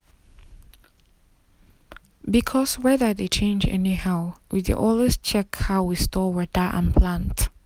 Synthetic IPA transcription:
bikʰɔswɛðə˞ðet͡ʃʰẽɪ̃nd͡ʒɛ̰nihaʊwidḛʔɔlˠest͡ʃʰɛkhaʊwistɔwɛdaə̰̃npʰlãnt

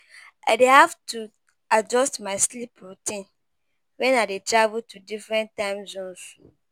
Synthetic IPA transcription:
a̰dehavtʰu | ad͡ʒɔstmaɪslipʰɾotʰĩn | wɛ̃nadetʰɾavutʰudifɾɛ̃ntːãɪ̃mzõnsu̥

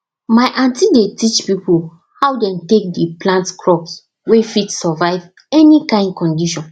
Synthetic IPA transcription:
maɪʔãntidetit͡ʃpipul | hawdɛ̃mtek̚dəplãntkʰɹɔps | wefitsɔvaɪv | ɛnikãɪ̃nd̚kɔ̃ndiʃɔ̃n

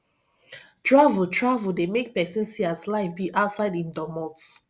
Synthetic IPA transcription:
tɹavutʰɹavdemek̚pɛsĩnsiaslaɪfbiʔaʊtsaɪdĩndɔmɔt

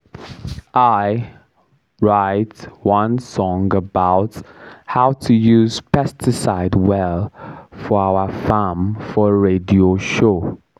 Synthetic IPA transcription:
ʔaɪ | ɹaɪtwãnsɔ̃ŋɡəbaʊthaʊtʰujuːz̥pʰɛstʰɪsaɪdwɛlfɔaʊəfamfɔɹedioʃo

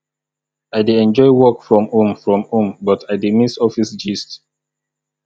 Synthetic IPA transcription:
aɪdeɛ̃nd͡ʒɔɪwɔkfɹɔ̃mõmfɹɔ̃mõmbɔtʰaɪdemisɔfisd͡ʒist

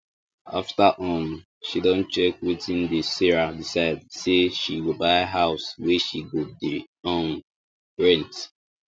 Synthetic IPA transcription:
a̰ftaʔɔ̃m | ʃidɔ̃nt͡ʃɛkwitĩndəsiɹadisaɪdseʃiwilbaɪɦaʊswɛʃiɡudi | ɔ̃n | bɹɛ̃nt

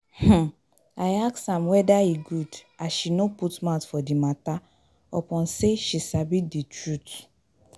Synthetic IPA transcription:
h̩ | ajaksãmwɛdaiɡud | aʃinoputmatfɔdimata | ɔpɔ̃nseʃisabiditɹut

